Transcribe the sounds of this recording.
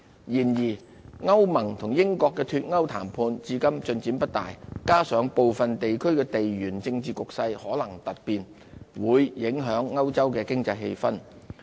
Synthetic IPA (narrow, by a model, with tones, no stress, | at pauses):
jiː˨˩njiː˨˩ | ŋɐ˥wmɐ˨˩ŋt̪ʰʊ˨˩ŋjɪ˥ŋkɔː˧kːɛː˧t̪ʰyː˧t̚ŋɐ˥wt̪ʰa̰ː˨˩mpʰuː˧nt͡siː˧kɐ˥mt͡sɵ˧nt͡siː˨˥npɐ˥t̚t̪a̰ː˨˩jkaː˥sœː˨˥ŋpo˨wfɐ˨nt̪e˨jkʰɵ˥ɥkɛː˧t̪e˨jɥyː˨˩nt͡sɪ˧ŋt͡siː˨kʊ˨k̚sɐ˧jhɔː˨˥lɐ˨˩ŋt̪ɐ˨t̚piː˨n | wuː˨˧˥jjɪ˨˧˥ŋɦœː˨˥ŋːɐ˥wt͡sɐ˥wkɛː˧kɪ˥ŋt͡sɐ˧jhe˧jfɐ˥n